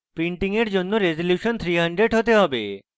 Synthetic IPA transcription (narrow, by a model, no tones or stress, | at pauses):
piɳʈiŋeɾd͡ʑonːoɾezoljuʃɔnt̪ʰɾiɦəɳɖɾeɖɦot̪eɦɔbe